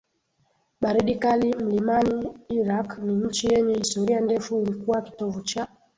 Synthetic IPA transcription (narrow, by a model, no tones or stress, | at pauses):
ɓaɾiɗikalim̩limaniːɾakniɲ̩t͡ʃijɛɲɛhistɔɾiandɛfuːlikuwaki̥tɔvut͡ʃa